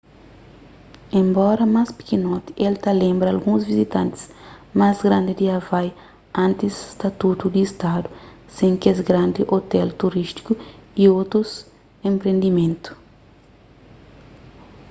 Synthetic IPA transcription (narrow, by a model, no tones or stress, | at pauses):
ẽmbɔɾɐmaspi̥kinɔt̪i̥ʔelt̪alẽmbɾɐːlɡũzvizit̪ãnt̪ɪ̥smazɡɾãnd̪id̪iavaj | ãnt̪isst̪ɐt̪ut̪ud̪iːst̪ad̪usẽŋkezɡɾãnd̪iʔot̪ɛlt̪uɾist̪i̥kuiot̪ɾus | ẽmpɾẽnd̪imẽnt̪u̥